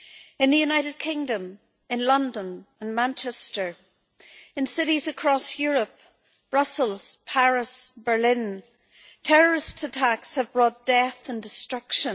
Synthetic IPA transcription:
ɨ̃nðəjʉnaɪɾɨd̚kʰɪ̃ŋdə̃m | ɨ̃nlʌ̃ndə̃nə̃nmãnt͡ʃɛstə˞ | ɨ̃nsɪɾizəkʰɹ̥ɔsjʊɹəp | b̥ɹʌsəlˠz̥pʰaɹɪsb̥ə˞lɪ̃n | tʰɛɹə˞ɪstsətʰakshəvbɹɔt̚d̥ɛθə̃ndɨstɹ̥ʌkʃə̃

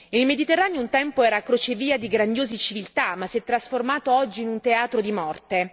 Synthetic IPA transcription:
ilmed̪it̪erːaːnejount̪ɛmpoɛːɾakɾot͡ʃeviːad̪iɡɾand̪joːzit͡ʃivilt̪amasiɛt̪ːɾasformaːt̪oɔd͡ʒːiːnunt̪eaːt̪ɾod̪imɔrt̪e

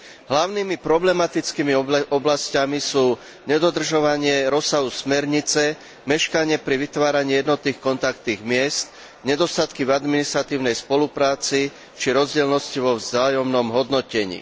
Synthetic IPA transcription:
ɦlaʊniːmipɾɔblɛmat̪it͡skiːmiʔɔblascamisuː | ɲɛd̪ɔd̪r̩ʒɔʋaɲɪɛɾɔsaɦusmɛɾɲit͡sɛ | mɛʃkaɲɪɛpɾiʋit̪ʋaːɾaɲiːjɛd̪nɔt̪niːxkɔnt̪akt̪niːɣmɪɛst̪ | ɲɛd̪ɔst̪at̪kivad̪minist̪ɾat̪iːʊnɛjspɔlupɾaːt͡si | t͡ʃiɾɔzɟɛlnɔsciʋɔʋzaːjɔmnɔmɦɔd̪nɔcɛɲḭː

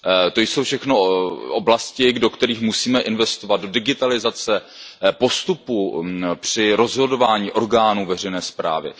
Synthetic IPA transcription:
t̪o̞jsowfʃɛxno̞ʔoblascɪdo̞kt̪ɛɾiːxmusiːmɛʔɪnvɛst̪ovad̪̚do̞dɪɡɪt̪alɪzat͡sɛ | po̞st̪upupr̝̥ɪɾo̞zɦo̞do̞vaːɲiːʔo̞ɾɡaːnuːvɛr̝ɛjnɛːspɾa̰ːvɪ̰

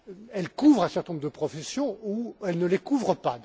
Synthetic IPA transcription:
ɛlkuvʁɛ̃sɛʁt̪ɛnɔ̃mʁd̪əpχɔfesjɔ̃uɛlnəlekuvʁəpa

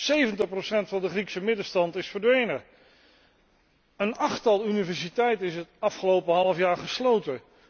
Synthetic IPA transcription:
sejvəntəχprosɛntfɑndəχriksəmɪdəstɑntɪsfəɹdʋejnə | ənɑχtɑlˠynivɛɹsitɛjtɪsətɑfχəlowpəɦɑlˠəfjaːɹχəslowtə

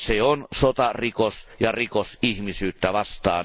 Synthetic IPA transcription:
seonsot̪ɑrikosjɑrikosihmisyːt̪ːæʋɑst̪ɑːn

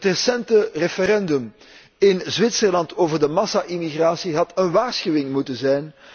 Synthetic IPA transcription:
ətrəsɛntərefəɾɛndɵm | ɪnzʋɪtsərlɑntoːvərdəmɑsaʔimiɣraːsiɦɑtənʋaːrsxyːɪŋmutənzɛjn

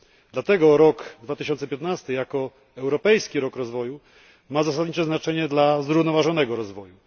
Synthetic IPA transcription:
d̪̥lat̪ɛɡɔɾɔɡd̪vat̪ɘɕ̬ɔnt̪sɛpʲjɛt̪nast̪ɘjakɔ | ɛwɾɔpɛjskʲiɾɔkɾɔzvɔju | mazas̬ad̪ɲit͡ʂɛznat͡ʂɛɲɛd̪lazɾuvnɔvaʐɔnɛɡɔɾɔzvɔju

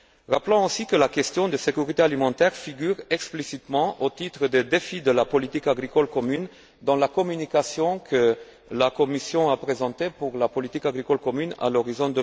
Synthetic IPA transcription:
ʁaplɔ̃osikəlakʲɛst̪jɔ̃d̪əsekyʁit̪ealimɑ̃t̪ɛʁfiɡʲyʁɛksplisit̪mɑ̃ʔot̪it̪χəd̪ed̪efid̪əlapɔlit̪ikaɡʁikɔlkɔmyn | d̪ɑ̃lakɔmynikasjɔ̃kʰə | lakɔmisjɔ̃apχezɑ̃t̪epuʁlapɔlit̪ikaɡʁikɔlkɔmyna̰lɔʁizɔ̃d̪ə

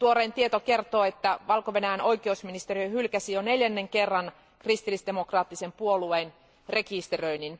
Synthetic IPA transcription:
t̪uoɾeːnt̪iet̪oke̞rt̪oːet̪ːæʋɑlkoʋe̞næjæno̞jkieusminist̪eriøhylkæsijoneljænːeŋkerːɑn | krist̪ilːisd̪emokrɑːt̪ːisempuolueːn | re̞kist̪erøinin

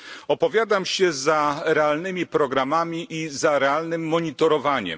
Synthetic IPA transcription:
ɔpɔvʲjad̪amɕɛzaɾɛalnɘmʲipɾɔɡɾamamʲiʔizaɾɛalnɘmːɔɲit̪ɔɾɔvaɲɛ̰m

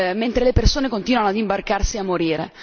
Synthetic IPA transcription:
ment̪ɾelepersoːnekont̪iːnwanoad̪imbarkarsiamːoɾiːɾḛ

